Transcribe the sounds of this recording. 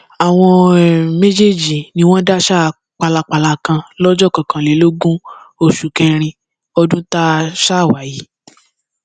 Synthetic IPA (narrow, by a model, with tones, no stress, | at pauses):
a˨w̃ɔ̃˧me˦d͡ʒe˦˨d͡ʒi˨nĩ˧w̃ɔ̃˦da˦ʃa˦˨ | k͡pa˧la˧k͡pa˧la˧kã˧lɔ˦d͡ʒɔ˦˨kã˨kã˨le˨˦lo˦ɡũ˦ | o˧˨ʃu˨kɛ˧ɾ̃ĩ˧ | ɔ˧dũ˦ta˦ʃa˦˨wa˨˦ji˨˦